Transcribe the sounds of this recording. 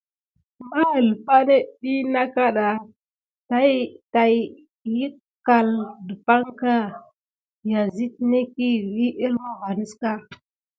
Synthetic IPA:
ma˦˨lpa˦ne˦ɗi˦na˦ka˦ɗa˨ | ta˦ta˨ | ji˦ | ka˨ldə˨pa˦ŋka˦ | ja˨zi˦tne˦ki˦wi˦ʔə˦lwa˦ɣa˨ni˦ska˦

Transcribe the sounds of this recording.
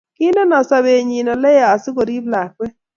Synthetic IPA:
kɪ˦no˦nɔ˨sa˨we˨ɲi˨nɔ˨lɛ˦ja˨a˨sɪ˦ko˨ɾi˦bla˨kwɛ˦

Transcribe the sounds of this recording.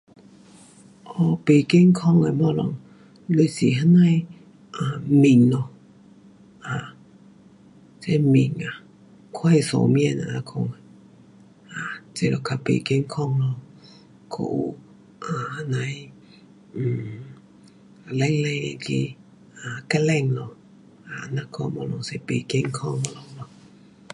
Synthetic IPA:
ʔɔ˧˩pe˨ke˧˨ŋkʰɔ˥˧˨ŋə˨bɔ˧˨lɔ̰˨ŋ | lo˧˨si˨ɦa˧˥na˥˧˨j | ʔa˨mi˨˩ŋlɔ˧ | ʔa˨ | t͡sɛ˧˦mi˨˩ŋa˨ | kʰwa˧˨jsɔ̰˨mi˧˨na˨˧kʰɔ˧˨ŋ˨ | a˨t͡se˧˨lɔ˨kʰa˧pḛ˨ke˧˦ŋ˦kʰɔ˦˧˨ŋlɔ˧˨ | kʰo̰˧˨o˦ | ʔa˨˦na˨˧˦j̩˦˨ | lɛ˦ŋlɛ˧ŋe˧˨ke˧ | a˨ka˧lɛ˧˨ŋlɔ˧ | a˨na˦kʰɔ˧˨mɔ˧lɔ˨ŋse˧˦pe˨ke˧˦ŋ˦kʰɔ˦˧˨ŋ˧lɔ˧lɔ˧˨

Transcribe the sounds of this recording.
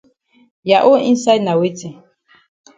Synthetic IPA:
ja˨ʔo˦ḭ˦nsa˦jdna˨we˦tʰi˨

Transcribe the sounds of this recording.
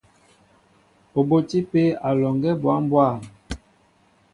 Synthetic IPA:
o˨bo˦ti˦pe˦a˨lɔ˨ŋɡɛ˦bwa˨˦m˦bwa˦˨

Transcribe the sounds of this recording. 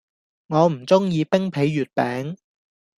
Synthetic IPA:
ŋɔː˨˧m̩˨˩t͡sʊ˥ŋjiː˨˧pɪ˥ŋpʰe˨˥jːyː˨˩t̚pɛː˨˥ŋ

